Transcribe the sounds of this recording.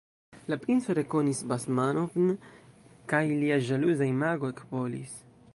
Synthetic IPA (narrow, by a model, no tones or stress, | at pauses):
lapɾinsoɾekonisbasmanovn | kajliaʒaluzaimaɡoekpolḭs